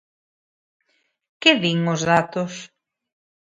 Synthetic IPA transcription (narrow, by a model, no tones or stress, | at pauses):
kɪβiŋʊzðat̪ʊs